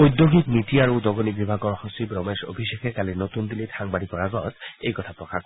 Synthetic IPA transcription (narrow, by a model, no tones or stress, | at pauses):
ojd̪joɡiknitiaɹudɔɡonibibʱaɡɔɹxɔsibɹɔmeso̰bʱiʃekʰɛkalinot̪und̪ilitʰaŋbaɾipɔɹaɡɔ̰t̪ejkɔtʰapɹɔkʰak